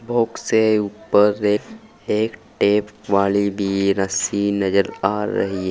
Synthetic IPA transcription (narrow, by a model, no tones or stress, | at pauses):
bʱoːkseuːpəɾːeː | eːkʈeːpʋaːlibʱiɾəsinɐd͡ʒəlaːɾɐ̰ɦiɛ